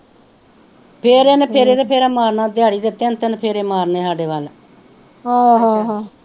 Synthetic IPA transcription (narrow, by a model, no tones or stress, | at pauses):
pʰeːɾenpʰeːɾeːd̪eːpʰeːɾaːmaːɾnãːd̪ɪjaːɽiːd̪ɪt̪ːeːnt̪enpʰeːɾeːmaːɾneːsaːɖeːʋaːl | ɦãːɦãɦãː